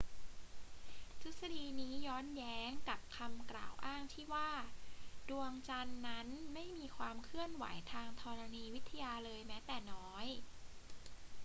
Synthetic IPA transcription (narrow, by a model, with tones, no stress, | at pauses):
t̪ʰu˦˥t̪̚sa˧diː˧niː˦˥jɔː˦˥njɛː˦˥ŋka˨˩p̚kʰa˧mkla̰ː˨˩wʔaː˥˩ŋt̪ʰiː˥˩waː˥˩du˧əŋt͡ɕa˧nːa˦˥nma˥˩jmiː˧kʰwaː˧mkʰɯ˥˩ənwa̰˩˦jt̪ʰaː˧ŋt̪ʰɔː˧ɾa˧niː˧wi˦˥t̪ʰːa˧jaː˧lɤː˧jmɛː˦˥t̪ɛː˨˩nɔː˦˥j